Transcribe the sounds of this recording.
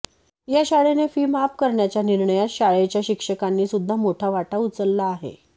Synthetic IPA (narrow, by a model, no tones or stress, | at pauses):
jaɕaɭenefiːmapkəɾɳjat͡ɕjaniɾɳəjat̪ɕaɭet͡ɕjaɕikʂəkanːiːsud̪ʱːamoʈʰaʋaʈaut͡səlːaːɦḛ